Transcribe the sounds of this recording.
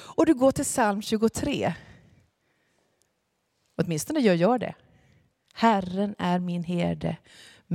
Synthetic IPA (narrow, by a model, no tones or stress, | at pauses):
ɔd̪ɵɡoːʈʰɪlsalmɕʉ̟ːɡʊt̪ʰɾeː | ɔt̪mɪnst̪ɔnəjœːɾjɑːɖɛ̰ | hærənæɾmɪnɦeːd̪ə̰ | m